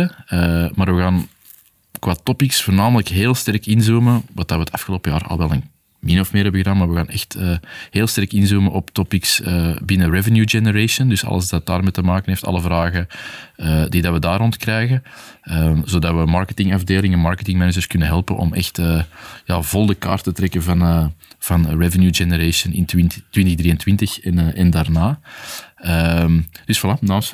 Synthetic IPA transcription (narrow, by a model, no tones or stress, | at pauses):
əəmaːɾʋəɣaːn | kwaːtɔpɪksfoːrnaːmələkɦeːlˠstɛrkɪnzuːməʋɑtdɑʋəətɑfxəloːpəjaːrɑ̰lˠʋɛlˠən | mɪnɔfmɪːɾɦɛbəɣədaːnmaːrʋəɣaːnɛ̰xtəɦeːlˠstɛrkɪnzuːməʔɔptɔpɪksəbɪnərɛvənjud͡ʒɛnəɾesəndʏsɑ̰lˠə̰zdɑt̚da̰ːrmɛtəmaːkənɦeːftɑ̰lˠəvraːɣəədidɑtʋədaːɾɔntkrɛjɣə | əzoːdɑtʋəmɑrkətɪŋɑvdeːlɪŋɛnmɑrkətɪŋmɛnəd͡ʒərskʏnəɦɛlˠpənʔɔ̰mɛ̰xtəjaːvɔlˠdəka̰ːrtətɾɛkəvɑnəv̥ɑnrɛvənjud͡ʒɛnəɾesənɪntɪntːʋɪntəɣd̪riːəntwɪntəxɛnʔɛndaːrnaː | əmd̥ʏsflanaːms